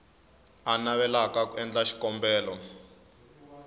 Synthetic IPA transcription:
anaβɛlakakuɛnd͡ɮaʃi̥kɔmbɛːlɔ

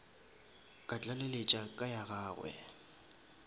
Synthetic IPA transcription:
kʼat͡ɬʼalelet͡ʃʼakʼajaɣaːɣwɛ̰

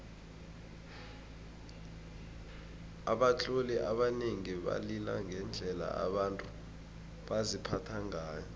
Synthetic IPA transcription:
aɓat͡ɬʼoliʔaɓaneŋiɓa̰lilaŋɛnd͡ɮʱɛla̰aɓantʼu | ɓazipʰatʰaŋaːjɔ

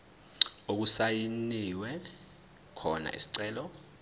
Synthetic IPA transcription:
ok̬usajiniwɛ | kʰɔna̰ʔḭsi̥ǀɛːlɔ

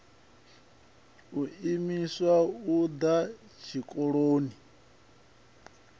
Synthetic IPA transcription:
uimiswaud̪at͡ʃʰikʼɔɺoːni

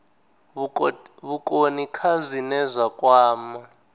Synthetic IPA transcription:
βukʼonikʰazʷinɛzʷwakʼwaːma

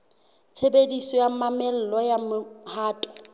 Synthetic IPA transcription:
t͡sʰebedisɔjamamɛl̩lɔjamʊhaːtʼɔ̥

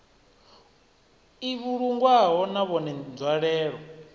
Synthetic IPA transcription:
iβuɺuŋɡwaɦɔnaβɔnɛnd͡zwaɺɛːɺɔ

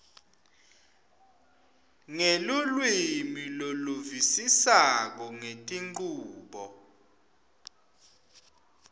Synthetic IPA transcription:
ŋelulwimiloluvisisak̬ɔŋetʼiŋ͡ǃŋ͡ǃuːɓɔ

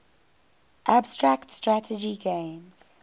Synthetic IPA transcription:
ʔabstɹaktstɹatʰəd͡ʒiɡẽɪmz̥

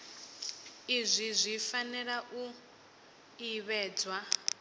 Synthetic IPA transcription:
izʷizʷifanɛɺaʔu | iβɛːd͡zwa

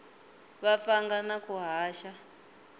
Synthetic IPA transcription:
βafaŋɡanakuɦaːʃa

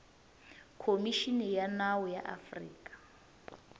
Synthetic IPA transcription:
kʰomiʃinɛjanawɔja̰ʔa̰frḭːkʼḁ

